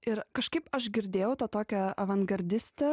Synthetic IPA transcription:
ɪɾkɐʃkɐɪpɐʃɡʲɪɾʲd̪ʲeːjɛʊt̪ɐt̪oːkʲɛɐʋɐŋɡɐɾʲd̪ʲɪsʲt̪ʲɛ

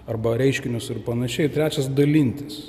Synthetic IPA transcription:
ɐrbɐɾʲɛɪʃʲkʲɪnʲʊsɪrpɐnɐʃʲɛɪt̪ʲɾʲæːt͡ʃʲɛsd̪ɐlʲɪnʲt̪ʲɪs

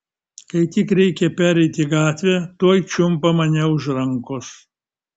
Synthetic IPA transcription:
kɐɪt̪ʲɪkɾʲɛɪkʲɛpʲæːɾʲɛɪt̪ʲiɡɑːt̪ʲʋʲɛt̪uɔjt͡ʃʲʊmpɐmɐnʲɛʊʒɾɐŋkʊs

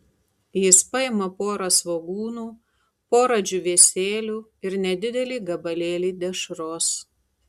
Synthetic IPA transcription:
jɪspɐɪmɐpoːɾɐsʋoːɡuːnuː | poːɾɐd͡ʒʲʊʋʲeːsʲeːlʲuːɪɾnʲɛd̪ʲɪd̪ʲɛlʲiːɡɐbɐlʲeːlʲiːd̪ʲɛʃɾoːs

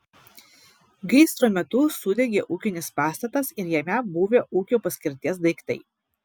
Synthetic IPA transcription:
ɡʲɛɪst̪ɾoːmʲɛt̪ʊsʊd̪ʲɛɡʲeːʔuːkʲɪnʲɪspɑːst̪ɐt̪ɐsɪɾjɛmʲɛbuːʋʲeːʔuːkʲuːpɐsʲkʲɪɾʲt̪ʲiɛs̬d̪ɐɪkt̪ɐɪ

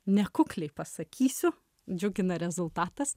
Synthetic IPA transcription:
nʲɛkʊklʲɛɪpɐsɐkʲiːsʲʊ | d͡ʒʲʊɡʲɪnɐɾʲɛzʊlˠt̪ɑːt̪ɐs

